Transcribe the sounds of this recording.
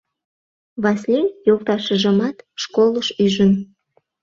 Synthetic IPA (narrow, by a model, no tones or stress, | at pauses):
βɑslʲejolt̪ɑʃə̆ʒəmɑt̪ʃkoləʃyʒən